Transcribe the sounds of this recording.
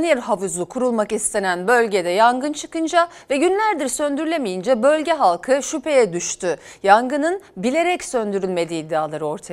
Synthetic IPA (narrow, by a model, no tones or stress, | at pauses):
njɛɾɦafɯzukʰuɾulˠmakist̪ʰe̞nænbø̞lʲɟe̞d̪ɛjaŋɡɯnt͡ʃʰɯkɯnd͡ʒavɛɟynlʲæɾd̪iɾsø̞nd̪yɾylʲemijind͡ʒɛbø̞lʲɟɛɦalˠkʰɯʃypʰe̞jɛd̪yʃt̪ʰyjaŋɡɯnɯnbilʲe̞ɾɛcsø̞nd̪yɾylʲme̞d̪iːd̪ːɛaːlˠaɾɯo̞ɾt̪ʰa